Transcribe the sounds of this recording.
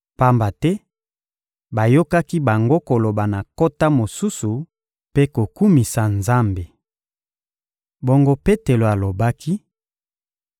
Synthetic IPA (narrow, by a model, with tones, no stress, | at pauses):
pa˦mba˨tɛ˦ | ba˨jo˦ka˦ki˦ba˨ŋɡo˦ko˨lo˨ba˨na˨ko˦ta˦mo˨su˦su˨ | pe˦ko˨ku˦mi˨sa˨nza˦mbe˨ | bo˦ŋɡo˦pe˦te˨lo˨a˨lo˨ba˦kʰi˦